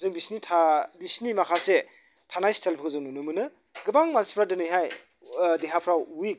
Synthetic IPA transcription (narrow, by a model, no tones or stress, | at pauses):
zɯŋbisnitʰabisnimakʰase | tʰanajstʰelpʰɯkʰzɯŋnunɯmɯnɯ | ɡɯbaŋmanspʰɾadɯnɯjɦaj | deɦapʰɾawwik̚